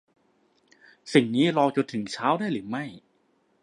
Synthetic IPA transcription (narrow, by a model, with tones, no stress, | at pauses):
si˨˩ŋniː˦˥ɾɔː˧t͡ɕo˧nt̪ʰɯ˩˦ŋt͡ɕʰaː˦˥wdaː˥˩jɾɯː˩˦ma˥˩j